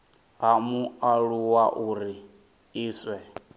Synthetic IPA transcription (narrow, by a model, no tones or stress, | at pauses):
ɦamuaɺuwaʔuɾi | iːswɛ